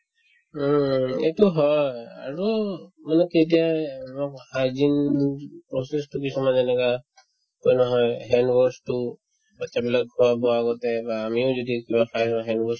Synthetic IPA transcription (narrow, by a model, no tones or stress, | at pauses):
etuɦɔja̰ɹumanɛket̬ijamakhajzinpɹɔsɛstʊkisɔmanɛnɛka | kojnɔɦɔjɦɛndwɔstʊ | bat͡ʃabilak̚kʰɔabɔaɡɔtɛbaːmiʊzodikibaxʰasɔ̃ɦɛndwɔs